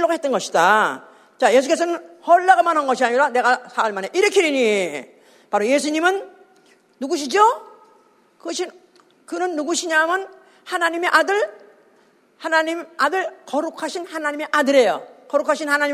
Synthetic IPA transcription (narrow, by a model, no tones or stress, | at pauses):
oɡaɦe̞t͈ʌnɡʌɕʰida | t͡ɕaje̞sʰukes̬ʰʌnɯnhʌɭːaɡɯmanɦanɡʌɕʰiaɲiɾane̞ɡasʰaɯɭmane̞ʔiɾɯkʰiɾiɲi | paɾoje̞sʰuɲimɯnː | uɡuɕ̬ʰid͡ʑo | kɯʌɕʰi | kɯnɯnːuɡuɕʰiɲamjʌn | hanaɲime̞ʔadɯɭ | hanaɲimadɯɭkʌɾukʰaɕʰinhanaɲime̞ʔadɯɾe̞jo̰kʌɾukʰaɕʰinhanaɲi